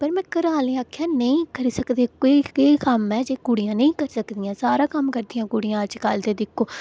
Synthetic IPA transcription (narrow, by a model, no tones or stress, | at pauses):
pəɾmɛ̃ːkəɾaːlẽːaːkʰːjãːnəĩːkəɾiːsəkd̪eːkoieikəmɛ̃ːd͡ʒeːkʊɽijãːnəĩːkəɾsəkd̪iːãːsaːɾãːkəmkəɾd̪ijãːkʊɽijãːəd͡ʒkaːld̪eːd̪ɪkʰːoː